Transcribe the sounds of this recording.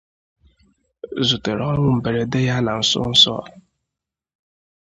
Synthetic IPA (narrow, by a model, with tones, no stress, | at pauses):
zu˨te˨ɾɔ˦ŋʷʊ˦m̩˨be˨ɾe˨de˦ja˦na˨n̩˨sʊ̰˦n̩˦sɔ̰˦˨